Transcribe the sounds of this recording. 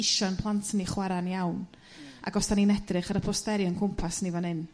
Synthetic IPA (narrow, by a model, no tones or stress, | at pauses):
ɪʃɔnpʰlˠantʰəniχwɛɾanjawn | a̰ɡɔstaninɛdrɨχəɾəpʰɔstɛɾjɔnkʰʊmpʰasnivɔnɪn